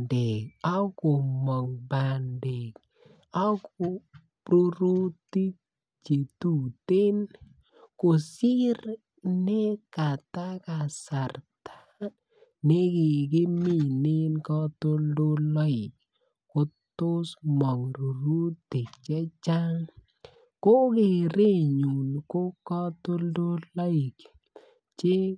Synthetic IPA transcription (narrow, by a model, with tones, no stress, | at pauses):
de˨ka˦kʊ˨mɔ˨ŋba˨nde˨k̚ | a˦kʊ˨ | ɾu˦ɾu˦ti˦k̚ | t͡ʃe˨tu˨te˦n | ko˨si˦r | nɛ˦ka˨ta˦ka˨sa˨rtʰḁ | ne˦kɪ˨ke˦mi˦˨ne˦nkɔ˦to˦ldo˦lɔ˦ɪ˨k̚ | ko˦tʊ˦smɔ˨ŋɾu˨ɾu˦te˨k̚t͡ʃa˦t͡ʃa˦ŋ | ko˦kɪ˨ɾe˦ɲu˨nko˦kɔ˦to˦ldo˦lɔ˦ɪ˨k | t͡ʃɪ˦